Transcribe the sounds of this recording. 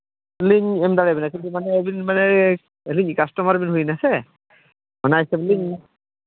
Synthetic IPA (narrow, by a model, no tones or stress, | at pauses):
bliɲɛmdalɛbinakintumanɛbinmanɛ | eliɲkastɔmaɾbinɦujnasɛ | mɔnajsɛbliɲ